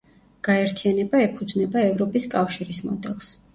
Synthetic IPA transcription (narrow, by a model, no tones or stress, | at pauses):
ɡ̥aɛɾt̪ʰianɛbaɛpʰud̪znɛbaɛvɾɔpʼiskʼafʃiɾismɔ̰d̪ɛlˠs